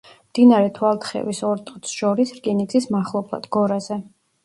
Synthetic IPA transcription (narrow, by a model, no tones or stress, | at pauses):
md̪̥inaɾɛt̪ʰwalˠt̪ʰχɛ̰visɔɾt̪ʼɔt̪sʃɔɾisɾkʼinid̪sʰismaχlˠɔbʰlˠa̰d̪̥ɡɔɾazɛ